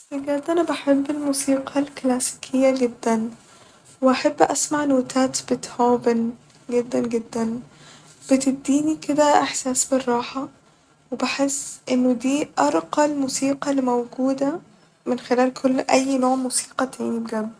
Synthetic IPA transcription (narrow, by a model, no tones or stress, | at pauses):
sɪɡæːd̪ʔænabaħebːɪlmuːsiːqʰɑlklaːsi̥kʰɪjːaɡɪd̪ːæn | wʔaħabːʔa̰smaʕlwɪt̪aːt̪b̥ɪt̪hoːvɪn | ɡɪd̪ːænɡɪd̪ːæn | b̥ɪt̪ɪb̚d̪iːnikɪd̪æʔɪħsaːsbɪrˤːɑːħɑ | wɪbaħesːʔɪnːʊd̪iːʔɑɾˤqɑlmuːsiːqɑlːimowɡuːd̪a | mɪnxɪlæːlkʰʊlːʔæjːnoːʕmuːsi̥ːqɑt̪aːnibɡæb